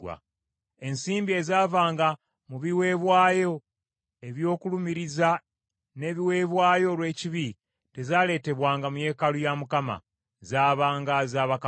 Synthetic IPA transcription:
wa̰ | e̞nsiːmbie̞zaːvaːŋɡa | muβiwe̞ːβwaːjo̞ | e̞βjo̞ːkulumiɾiza | ne̞ːβiwe̞ːβwaːjo̞lwe̞ːciβi | te̞zaːle̞ːte̞βwaːŋɡamuje̞ːkalujamukama̰ | zaːβaːŋɡazaːβak

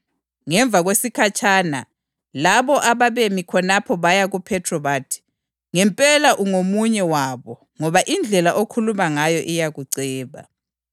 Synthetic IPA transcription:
ŋɛɱb̪vʱaɣwesikʰat͡ʃʰʼaːna̰ | laβɔʔaβaβemikʰɔnapʰɔβajaɣupʰɛtʰrɔβatʰi̥ | ŋɛmpʼɛlaʔuŋomuɲɛwaβɔ | ŋɔβaʔind͡ɮʱɛlaʔokʰulumaŋajɔʔijaɣuǀɛːβa̰

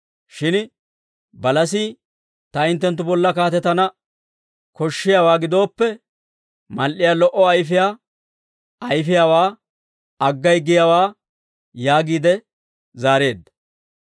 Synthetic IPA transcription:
ʃɪn | bɐlɐsiː | t̪ɐɪnt̪ːɛnt̪̬ːʊbɔlːɐkaːt̪ɛt̪ɐnɐ | kɔʃːɪjawaːɡɪd̪o̞ːpːɛ | mɐlʔɪjaːlɔʔɔɐjfɪjaː | ɐjfɪjawaː | ɐɡːɐjɡɪjawaː | jaːɡiːd̪ɛ | zaːɾe̞ːd̪ːɐ̥

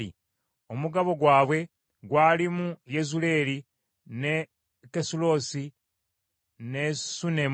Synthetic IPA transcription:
ḭ | o̞muɡaβo̞ɡwaːβwe̞ | ɡwaːlimujezule̞ːli | ne̞ | kesulo̞ːsi | ne̞sunem

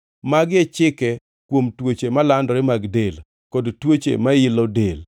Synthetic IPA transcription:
maɡɛt͡ʃɪkɛ | kwomtwot͡ʃemalandɔɾɪmaɡdel | kodtwot͡ʃḛmaɪlɔdel

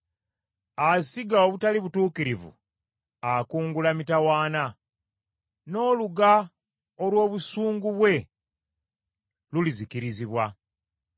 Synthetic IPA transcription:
asiɡaoβutaliβutuːkiɾivṵ | akuːŋɡulamitawaːna | no̞ːluɡa | olwo̞ːβusuːŋɡuβwe̞ | lulizikiɾiziβwa

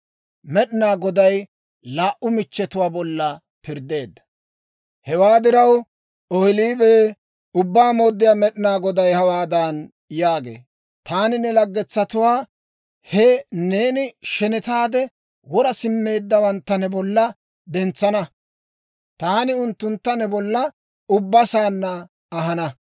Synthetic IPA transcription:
mɛɗɪnaːɡɔd̪ɐj | laːʔʊmɪt͡ʃːɛt̪ʊwaːbɔlːɐ | pɪɾd̪ːe̞ːd̪ːɐ̥ | hɛwaːd̪ɪɾɐw | ɔhɪliːbeː | ʊbːaːmo̞ːd̪ːɪjaːmɛɗɪnaːɡɔd̪ɐjhɐwaːd̪an | jaːɡe̞̰ː | t̪aːnɪnɛlɐɡːɛt͡sːɐt̪ʊwaː | hɛneːnɪʃɛnɛt̪aːd̪ɛ | wɔɾɐsɪmːe̞ːd̪ːɐwɐnt̪ːɐnɛbɔlːɐ | d̪ɛnt͡sːɐnɐ | t̪aːnɪʊnt̪ːʊnt̪ːɐnɛbɔlːɐ | ʊbːɐsaːnːɐː | ɦɐnɐ

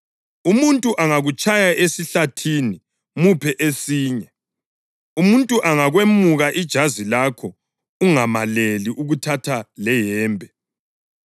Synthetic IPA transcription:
umuntʼuʔaŋaɣut͡ʃʰʼajaʔesiɬatʰini | mupʰɛʔesiːɲɛ | umuntʼuʔaŋaɣwemuɣaʔid̥ʒ̥ʱazilakʰɔ | uŋamaleliʔuɣutʰatʰalɛjɛːmbʱɛ

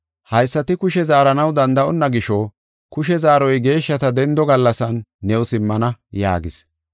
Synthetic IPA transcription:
hɐjsːɐt̪ɪkʊʃɛzaːɾɐnɐwd̪ɐnd̪ɐʔɔnːɐɡɪʃɔ | kʊʃɛzaːɾɔjɡe̞ːʃːɐt̪ɐd̪ɛnd̪ɔɡɐlːɐsɐnːɛʊsɪmːɐnɐja̰ːɡɪs

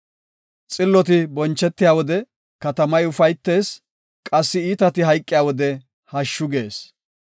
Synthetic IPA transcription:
t͡sʼɪlːɔt̪ɪbɔnt͡ʃːɛt̪ːɪjaːwɔd̪ɛ | kɐt̪ɐmɐjʊfɐjt̪ːe̞ːs | kʼɐsːɪiːt̪ɐt̪ɪɦɐjkʼːɪjaːwɔd̪ɛ | hɐʃːʊɡe̞ːs

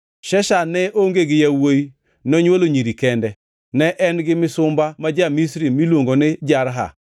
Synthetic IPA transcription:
ʃɛʃanɛʔoŋɡeɡɪjawoji | nɔɲwoloɲiɾikɛndɛ | nɛʔɛnɡɪmɪsʊmbamad͡ʒamisɾimilwoŋɡonɪd͡ʒaɾɦa̰

